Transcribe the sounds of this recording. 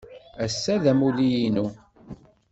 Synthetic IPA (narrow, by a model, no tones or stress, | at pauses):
æsːæðæmuðijinu